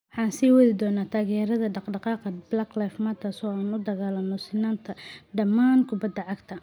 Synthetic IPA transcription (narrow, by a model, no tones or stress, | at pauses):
wɑħɑːnsiːwɐðɪd̪ɔːnaːt̪ʰaːɣɛːɾɐðɐɖɑqɖɑqɑːqɐblaːklajfmaːt̪ʰɐsɔːaːnʊd̪ɐɣaːlɐnɔsɪnaːnt̪ʰɐɖɐmaːnkʰʊbɐd̪ːɐʕɑɡt̪ʰɐ